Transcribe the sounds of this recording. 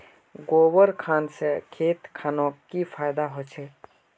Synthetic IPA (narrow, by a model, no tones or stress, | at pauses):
ɡoːwəɾkʰaːnsekʰeːt̪kʰaːnõkipʰaːjd̪aɦot͡ʃʰe